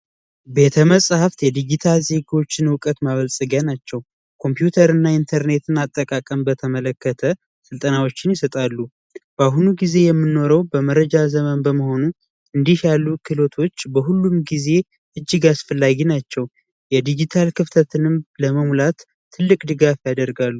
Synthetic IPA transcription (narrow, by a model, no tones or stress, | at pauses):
be̞t̪ʰəməsʼhaft̪jɛd̪id͡ʒit̪ʰalze̞ɡo̞t͡ʃːɪnɨwkʼət̪maβəlsʼəɡjanat͡ʃːɛw | kʰo̞mpjut̪ʰəɾɨnːaint̪ʰəɾne̞t̪ʰɨnat̪ʼːəkʼakʼəmbət̪ʰəmələkːət̪ʰə | sɨlt̪ʼənawo̞t͡ʃːɪnjɪsət̪ʼalːu | b̥əaɦunuɡize̞jɛmːɨnːo̞ɾəwbəməɾəd͡ʒazəmənbəməho̞nu | ɨnd̪iʃalːukʰɨlo̞t̪ʰo̞t͡ʃːbəɦulːumɡize̞ | ʔɨd͡ʒːɨɡasfəlːaɡinat͡ʃːɛw | jɛd̪id͡ʒit̪ʰalkʰɨft̪ʰət̪ʰɨnɨmləməmlat̪ʰː | ɨlːɨkʼd̪ɨɡafjad̪əɾɡalːu